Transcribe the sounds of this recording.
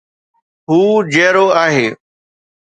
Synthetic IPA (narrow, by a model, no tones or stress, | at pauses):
ɦuːd͡ʑeːɾoːaːɦeː